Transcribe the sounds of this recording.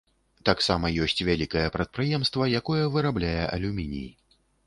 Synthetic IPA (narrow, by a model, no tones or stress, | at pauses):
t̪aksamɐjɔsʲt͡sʲvʲalʲikɐjɛpɾɐt̪̚pɾɨjɛmst̪vɐjakɔjɐvɨɾablʲajɛʔɐ̰lʲumʲinʲḭji